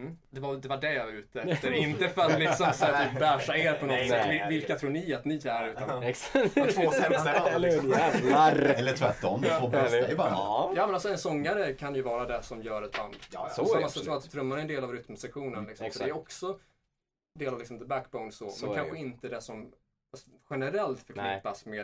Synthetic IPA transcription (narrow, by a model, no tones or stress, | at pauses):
d̪ɛvad̪ɛvaɖɛʉ̟ːt̪əɾɪnt̪əfœɾat̪lɪsɔmsɛbæːʂaeːɾpʰɔnɔt̪ːsɛvɪlkat̪ʰɾuːɳɪat̪nɪæɾʉ̟ːt̪an | oɛɛɪsɔɛaɾɛlːət̪ʰvæʈːɔmd̪ɛoɛjbɑːɾjɑːmɛnalsɔɛnsɔŋːaɾəkʰanjɵvɑːɾad̪ɛsɔmjœːɾɛt̪ba̰nd̪masksvːat̪t̪ʰːɾɵmːanɛɛnd̪eːlavɾʏt̪msɛkɧuːnənlɪksɔsɔd̪ɛːjɔksɔ | d̪eːlavlɪksɔmd̪ɛbækbaʊnsɔmɛnkanɧəɪnt̪əd̪ɛsɔm | asɔɧɛnəɾɛlt̪fœɾkʰnɪpːasmeːd̪